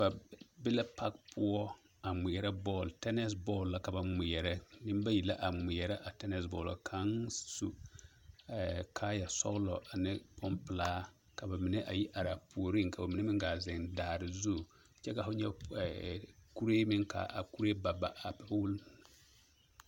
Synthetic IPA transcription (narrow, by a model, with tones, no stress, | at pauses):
ba˨bɪ˦la˦pa˦kpʰʊ˦ɔ˦ | a˨mʊ˨jɛ˨ɾɛ˦bɔː˦˨ltɛ˦nɛ˦s̬bɔː˦˨lːa˨ka˨ba˨m˨˦mʊ˨jɛ˨ɾɛ˦nɪ˦m˦ba˦ji˨la˦ʔa˨mʊ˨mʊ˨jɛ˨ɾɛ˦ʔa˨tɛ˦nɛ˦sbɔ̰ː˨la̰˨kʰa˦ŋsṵ˦ | ɛ˨kʰaː˦ja˨sɔ̰˦ɣlɔ̰˨ʔa˨nɪ˦pʰɔ˦mpɪ˨laː˦ | ka˨ba˨mi˨nɛ˦ʔa˨ji˦ʔa˨ɾa˨pu˨o˨ɾi˦ŋka˨ba˨mi˨nɛ˦mɪ˦ŋɡa˨zɪ˨ŋdaː˨ɾɪ˨zu˦˨ | t͡ʃɛ˦ka˨fʊ˦ɲɛ˦ɛ˨ku˦ɾeː˦mɪ˦ŋka̰˨ʔa̰˨ku˦ɾe˦ba˨ba˨ʔa˨pɛ˦wʊ˦l